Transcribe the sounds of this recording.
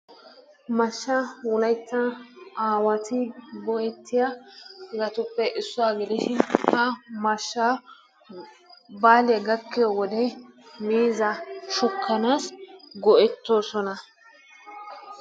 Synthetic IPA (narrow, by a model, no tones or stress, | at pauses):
mɐʃːawʊlɐjt̪ːɐaːwɐt̪ɪbɔʔɛt̪ʰːɪjɐɡɐt̪ʊpːɛʔɪsːʊaːɡɪlɪʃɪnhɐmɐʃːa | baːlɪjɐɡɐkːɪjɔwɔd̪ɛmiːzɐʃʊkʰːɐnaːsɡɔʔɛt̪ːoːsɔnɐ